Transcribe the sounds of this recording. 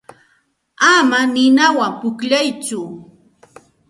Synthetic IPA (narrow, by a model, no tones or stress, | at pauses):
amanɪnawampʊkʎajt͡sʊ